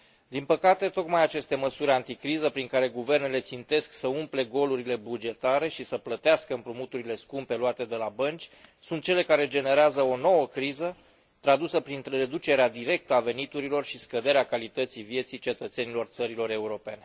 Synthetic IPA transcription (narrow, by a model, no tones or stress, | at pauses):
d̪inpəkat̪e̞t̪o̞kmajat͡ʃe̞st̪e̞məsuɾʲant̪ikɾizəpɾiŋkaɾe̞ɡuve̞rne̞le̞t̪sint̪e̞sksəumple̞ɡo̞luɾile̞bud͡ʒe̞t̪aɾe̞ʃisəplət̪easkəɨmpɾumut̪uɾile̞skumpe̞luat̪e̞d̪e̞labənt͡ʃʲsunt̪̚t͡ʃe̞le̞kaɾe̞d͡ʒe̞ne̞ɾeazəo̞no̞wəkɾizə | t̪ɾad̪usəpɾint̪re̞d̪ut͡ʃe̞ɾead̪iɾe̞k̚t̪əave̞nit̪uɾilo̞rʃiskəd̪e̞ɾeakalit̪ət̪sivje̞t̪sit͡ʃe̞t̪ət̪se̞nilo̞rt̪səɾilo̞ɾe̞uɾo̞pe̞ne̞